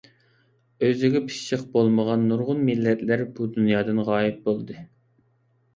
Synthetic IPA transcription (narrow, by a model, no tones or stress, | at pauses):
øzɪɡʲɛpʰɨ̥ʃəqbolˠməʁɑnːuɾʁʊnmilːɛt̪læɾbud̪unjɑːd̪ɨnʁɑːjip̚bolˠd̪ɨ